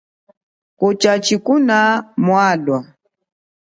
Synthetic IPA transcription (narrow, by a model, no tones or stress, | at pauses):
kɔt͡ʃat͡ʃikunamwaːɗwa